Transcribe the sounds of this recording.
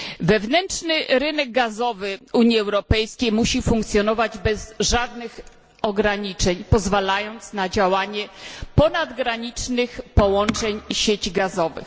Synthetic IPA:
vɛvnɛnʂnɘɾɘnɛɡ̚ɡazɔvɘuɲiɛwɾɔpɛjskʲejmuɕifũŋkt̪sʲjɔnɔvad͡ʑbɛzʐad̪nɘx | ɔɡɾaɲit͡ʂɛɲpɔzvalajɔnt̪snad͡ʑawaɲɛpɔnad̪ɡɾaɲit͡ʂnɘxpɔwɔnt͡ʂɛɲɕet͡ɕɡazɔvɘ̰x

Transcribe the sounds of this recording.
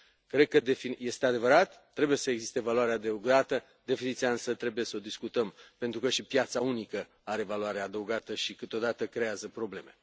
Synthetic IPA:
kɾe̞d̪̚kəd̪efije̞st̪ead̪e̞vəɾat̪ːɾe̞buje̞səeɡzist̪e̞valuaɾead̪euɡat̪ə | d̪e̞finit̪sijaɨnsət̪ɾe̞buje̞səo̞d̪iskut̪əmpe̞nt̪ɾukəʃipjat̪saunikə | aɾe̞valuaɾead̪əuɡat̪əʃikɨt̪od̪at̪əkɾeazəpɾo̞ble̞me̞

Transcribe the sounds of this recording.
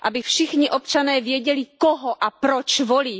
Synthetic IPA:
ʔabɪfʃɪxɲiʔopt͡ʃanɛːvjɛɟɛlikoɦoʔapɾot͡ʃvoliː

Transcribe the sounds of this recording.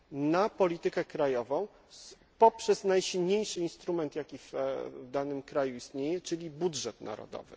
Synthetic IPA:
napɔlʲit̪ɘkɛkɾajɔvɔ̃w̃ | pɔpʂɛznajɕilɲejʂɘinst̪ɾumɛnt̪jakʲivvd̪anɘmkɾajuist̪ɲejɛt͡ʂɘlʲibudʐɛt̪na̰ɾɔ̰d̪ɔ̰vɘ̰

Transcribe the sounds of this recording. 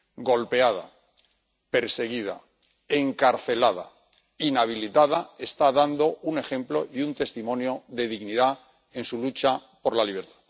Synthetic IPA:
ɡo̞lpe̞að̞a̰ | pe̞ɾse̞ɣ̞ið̞a̰ | e̞ŋkaɾθe̞lað̞a̰ | inaβ̞ilit̪aðae̞st̪aðand̪o̞une̞xe̞mplo̞ʔjunt̪e̞st̪imõ̞njo̞ðe̞ðiɣniða | e̞nsulut͡ʃapo̞ɾlaliβe̞ɾt̪ḁð

